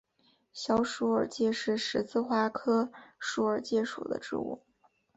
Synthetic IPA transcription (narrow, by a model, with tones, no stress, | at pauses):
ɕjɑ˧˥ʊʂu˧˥ə˞˨˩t͡ɕjɛ˥˧ʂɻ̩˥˩ʂɻ̩˧˥t͡sʰɹ̩˥˧xwa˥kʰɤ˥ʂu˧˥ə˞˨˩t͡ɕjɛ˥˧ʂṵ˨˩d̪ə̰˦ʈ͡ʂɻ̩̰˥˧ṵ˥˩